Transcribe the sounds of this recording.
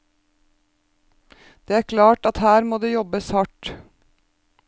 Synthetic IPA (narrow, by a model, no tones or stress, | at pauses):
d̪̥eːæːɾkʰlɑːʈɑt̪hæːɾmoːd̪eːjɔbəshɑʈ